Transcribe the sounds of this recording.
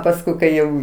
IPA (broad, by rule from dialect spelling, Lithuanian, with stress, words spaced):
pɐsˈkʊɪ kɐɪ ˈjɛʊ